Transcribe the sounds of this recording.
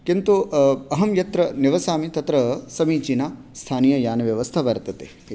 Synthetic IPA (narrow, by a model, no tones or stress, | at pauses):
kint̪uɐɦɐmjɐt̪ɾɐniʋɐsaːmit̪ɐt̪ɾɐsɐmiːt͡ʃinaː | st̪ʰaːniːjɐjaːnɐʋjɐʋɐst̪ʰaʋɐɾt̪ɐt̪ek